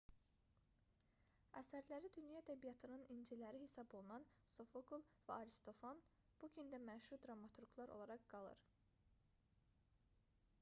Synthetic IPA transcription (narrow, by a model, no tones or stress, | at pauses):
æsæɾlæɾid̪ynjɑæd̪æbijɑt̪ʰɯnɯnind͡ʒilæɾihesɑbo̞lˠunɑnso̞foɡulˠvæɑɾist̪o̞fɑn | b̥uɡynd̪æmæʃuɾd̪ɾɑmɑt̪ʰuɾɡlˠɑɾolˠɑɾɑqɡ̥ɑlˠɯ̰ɾ